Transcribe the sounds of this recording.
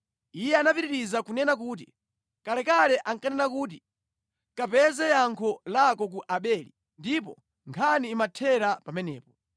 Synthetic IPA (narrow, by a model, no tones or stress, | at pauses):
ijɛanapiɾiɾizakunɛnakuːt̬ḭ | kalɛkalɛʔaŋkanɛnak̬uːt̬i | kapɛzɛjaŋkʰɔlakɔk̬uʔaɓɛlḭ | ndipɔ̰ | ŋkʰaniːmatʰɛɾapamɛnɛːpɔ